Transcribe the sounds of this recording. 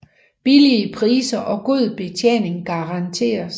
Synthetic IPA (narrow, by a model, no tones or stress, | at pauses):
b̥iliəpʰʁḭːsɐʔɒ̽ɡ̥o̝ð̰ˠb̥e̝t͡sʰjḛne̝ŋɡ̥ɑ̈ʁɑ̈nt͡sʰe̝̰ːɐs